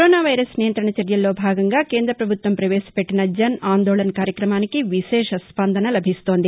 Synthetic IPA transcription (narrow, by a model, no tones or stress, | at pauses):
ɾoːnaːʋɐjɾɐsnijɐnt̪ɾɐɳɐt͡ʃɐɾjɐlːo̞ːbʱaːɡɐŋɡaːkeːnd̪ɾɐpɾɐbʱut̪ʋɐmpɾɐʋeːsɐ̥peʈːinɐd͡ʒɐnaːnd̪oːɭɐnɐkaːɾjɐkɾɐmaːnikiʋiʃɛːʃɐspɐnd̪ʱɐnɐlɐbʱist̪o̞ːnd̪i